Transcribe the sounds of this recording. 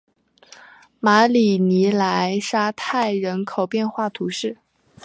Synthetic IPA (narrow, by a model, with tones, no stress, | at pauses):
ma˧˥li˨˩ni˧˥la˧˥ɪʂa˥t̪ʰa˥˩ɪɻə˧˥nkʰo˨˩ʊpjɛ˥˧nxwa˥˩t̪ʰu˧˥ʂɻ̩˥˩